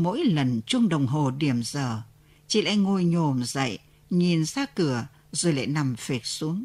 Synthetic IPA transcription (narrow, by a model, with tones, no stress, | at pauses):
mo̰˧˥jlə˨˩nt͡ɕʊ˧ŋ͡mɗə˨˩wŋ͡mɦo˨˩ɗi˧˩əmz̥əː˨˩ | t͡ɕḭ˧˨la̰ː˧˨jŋo˧˩jɲo˨˩mzə̰˧˨j | ɲi˨˩nzaː˧kɨ˧˩ə | zoː˨˩jla̰ː˧˨jna˨˩mfe˨˩t̚su˨˦əŋ